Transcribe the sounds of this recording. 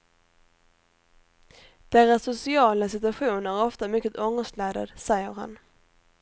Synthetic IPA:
d̪̥ɛɾasːʊsɪɑːlasɪt̪ɵaɧuːnæɾɔft̪amʏkːət̪ɔŋəst̪lɛːd̪a̰d̪sɛjːəɾha̰n

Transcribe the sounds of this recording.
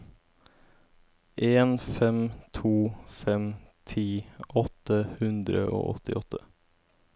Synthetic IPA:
ʔeːnfɛmt̪ʰuːfɛmt̪ʰiːʔɔt̪əhʉnd̪ɾə̰ʔo̰ːʔɔ̰t̪ɪʔɔt̪ʰːə

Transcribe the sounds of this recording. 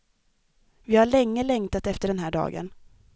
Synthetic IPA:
vɪhaɭɛŋːəlɛŋt̪at̪ɛft̪əɖɛnɦæːɖɑ̰ːɡə̰n

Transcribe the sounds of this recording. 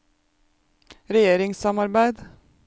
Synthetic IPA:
ɾɛjeːɾɪŋsɑmɑɾbæɪd̪

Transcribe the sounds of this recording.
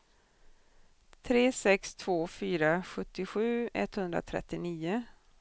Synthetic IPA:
t̪ʰɾeːsɛkst̪ʰv̥oːfyːɾaɧɵt̪ːɪɧʉ̟ːɛ̰t̪ːhɵnd̪ɾa̰t̪ʰɾɛ̰t̪ːɪniːʊ

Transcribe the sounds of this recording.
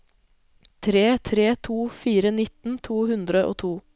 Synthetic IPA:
t̪ʰɾeːt̪ʰɾeːt̪ʰuːfiːɾənɪt̪n̩t̪ʰuːhʉnd̪ɾəʔo̰ːt̪ʰuː

